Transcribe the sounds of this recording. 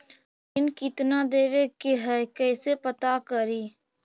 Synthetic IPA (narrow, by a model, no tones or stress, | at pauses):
ɪnkɪt̪naːd̪eːʋeːkeɦɛːkɛːseːpət̪aːkəɾiː